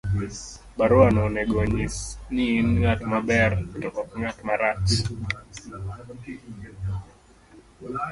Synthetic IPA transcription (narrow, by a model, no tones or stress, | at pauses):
baɾuanɔnɛɡɔɲisniːnŋatmabɛrtɔkɔkŋatmaɾat͡ʃ